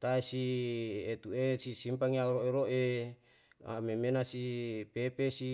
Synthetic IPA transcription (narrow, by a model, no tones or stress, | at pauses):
t̪aesiet̪uesisimpaŋiauɾoeɾoʔe | a̰memenasipepesi